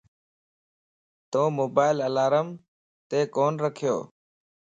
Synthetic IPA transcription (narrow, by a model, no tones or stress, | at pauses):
t̪õːmoːbaːɪləlaːɾəm | t̪eːkoːnɾəkʰɪjo̰ː